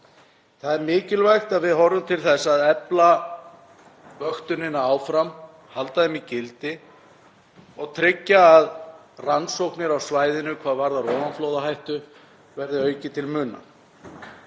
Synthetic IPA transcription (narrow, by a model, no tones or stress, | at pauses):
θaðɛɾmɪːcɪlvajxt̪aðvɪðɦɔrːʏmt̪ʰɪlθɛsːaðɛpla | vœxt̪ʏnɪnːaaːwfɾam | halt̪aðɛmicɪlt̪ɪ | ɔɣt̪ʰɾɪcːaːð | ransowhknɪɾawsvaːjðɪnʏkʰvaːðvaɾðaɾrɔːmanflowðaɦajht̪ʏ | vɛɾðɪœːɥcɪt̪ʰɪlmʏnːa̰